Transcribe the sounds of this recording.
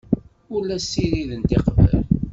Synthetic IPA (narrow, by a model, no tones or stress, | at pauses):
ʊlːæsːiɾiðənt̪iqvə̰l